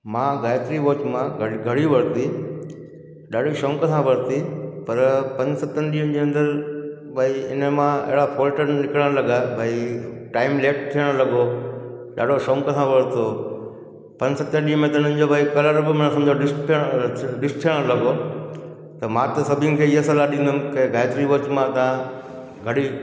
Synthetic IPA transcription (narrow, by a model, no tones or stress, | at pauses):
mãːɡaːjt̪ɾiʋoːt͡ɕmãɡʱɐɽiʋɐɾt̪i | ɗaːɖ̤ʱiʃõːŋkəsãʋɐɾt̪ipɐɾpɐ̃ɲd͡ʑsɐt̪ənɪɗiːən̆d͡ʑeːɐ̃nd̪əɾ | bʱaːiɪnəmãɪ̰ɦɪɽafoːlʈənnɪkɽəɽ̃lɐɡabʱaːiʈaːɪmleːʈ̚t̪ʰijəɽ̃lɐɡo | ɗa̰ːɖʱoʃõːŋkəsãʋɐɽt̪o | pɐ̃ɲd͡ʑsɐt̪əɗiːɦəmẽt̪ɐɪn̤ə̃ɪ̃̆d͡ʑobʱaːikɐləɾbɪmɐnsɐ̃md͡ʑʱoɖɪsʈʰiəɽ̃ɗɪsʈ̚t̪ʰijəɽ̃lɐɡo | t̪ɐmãt̪ɐsɐbʱijə̃nɪ̆kʰeːɪɦəsəlaɗĩːn̆d̪ʊnɪ̆kɐ̃ɡaːɪt̪ɾiʋɐt͡ɕmãt̪ɐã | ɡʱɐɽi